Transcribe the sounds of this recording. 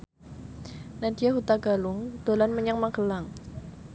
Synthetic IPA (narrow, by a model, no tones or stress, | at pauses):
nadijaɦut̪aɡ̥alʊŋd̪̥olanməɲaŋmaɡəlaŋ